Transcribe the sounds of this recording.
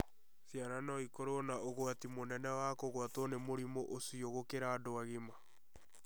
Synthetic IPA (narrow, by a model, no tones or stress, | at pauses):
θjaɾanɔikoɾonaʔoɣwatimonɛnɛwakoɣwatɔnemoɾimoʔosioɣokeɾaːdoaɣema